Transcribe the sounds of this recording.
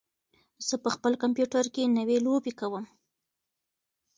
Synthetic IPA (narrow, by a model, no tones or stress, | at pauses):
z̥əpəxpəlkampjuʈaɾkenəwelobekawəm